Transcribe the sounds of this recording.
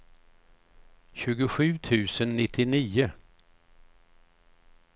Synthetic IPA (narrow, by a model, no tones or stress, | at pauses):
ɕʉ̟ːɡʊɧʉ̟ːt̪ʰʉ̟ːsənːɪt̪ʰːɪniːʊ